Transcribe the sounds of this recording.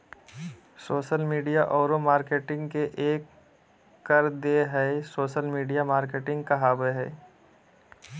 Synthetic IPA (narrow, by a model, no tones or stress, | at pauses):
soːʃəlmiːɖijaʔɔːɾomaːɾkeːʈɪ̃ŋɡkeʔeːkː | əɾd̪eɦɛesoːʃəlmiːɖijamaːɾkeːʈɪ̃ŋɡkɐɦaːbeɦɛ